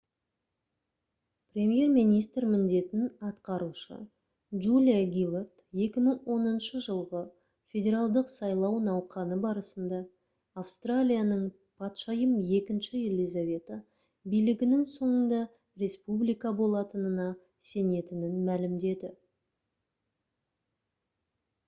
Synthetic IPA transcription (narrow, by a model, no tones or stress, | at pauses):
prʲe̞mje̞rminijst̪ɾmɪnd̪e̞t̪ɪnɑt̪qɑɾuʃə̰ | ʒulʲijaɡʲilˠart̪je̞kʲɪməɴwʔo̞nənʃəʒəlˠʁə | fʲe̞dʲe̞ɾalˠd̪əqsɑjlˠɑwnɑwqʰɑnəbɑɾəsənd̪ɑː | fst̪ralʲijanəɴ | pʰɑt̪ʃɑjəmje̞kʲɪnʃɪjelʲijzavʲe̞t̪ə | bijlɪɡʲɪnɪŋso̞ɴənd̪ɑ | re̞spublijkɑbo̞lˠɑt̪ənənɑ | se̞ne̞t̪ɪnɪnmælɪmd̪e̞d̪ɪ